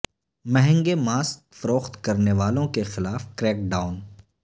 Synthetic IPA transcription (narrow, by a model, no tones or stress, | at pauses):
mɛɦɛ̃ŋɡemaːskfɐɾoːxt̪kɐɾneʋaːlõkexɪlaːfkɾɛːk̚ɖaːʊn